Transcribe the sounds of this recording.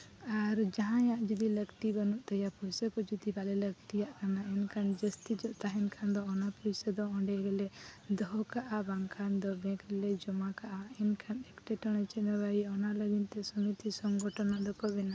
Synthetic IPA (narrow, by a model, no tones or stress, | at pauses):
aɾd͡ʒaɦãjaʔd͡ʒɔd̪iləɡt̪ibənuʔt̪əjapujsəkɔd͡ʒɔd̪ibalɛlək̚t̪ijaʔkanaɛnkʰand͡ʒəst̪id͡ʒɔʔt̪aɦɛnkʰand̪ɔːnapuɾsəd̪ɔɔ̃ɖɛɾɛlɛd̪ɔɦɔkaʔabaŋkʰand̪ɔbɛ̃kɾɛlɛd͡ʒɔmakaʔaɛnkʰanɛkʈɛʈəɽ̃ɛt͡ʃɛnabaiɔnaləɡint̪ɛsumit̪isɔŋɡɔʈʰɔnaʔlɔkɔʔbɛna